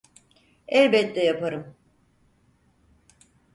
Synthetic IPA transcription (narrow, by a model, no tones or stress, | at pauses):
ɛlʲbɛt̪d̪ɛjapaɾɯm